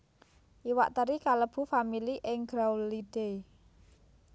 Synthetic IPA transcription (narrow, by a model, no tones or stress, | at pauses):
ʔiwa̰ʔt̪əɾikaləb̥ṳfamiliʔɪŋɡɾawlid̥e